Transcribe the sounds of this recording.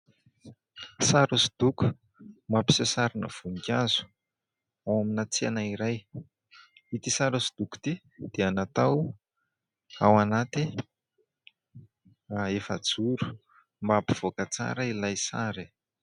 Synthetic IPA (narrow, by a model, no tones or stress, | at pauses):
saɾusi̥d̪̥uku̥ | mapi̥sesaɾinə̰v̥unikʲazu̥ | awaminat͡sianaiɾaj | it̪isaɾusi̥d̪̥uku̥t̪i | d̪̥eanat̪aw | awanat̪i | aefəd͡zuɾu̥ | mbapiv̥okat͡sa̰ɾəilajsaɾi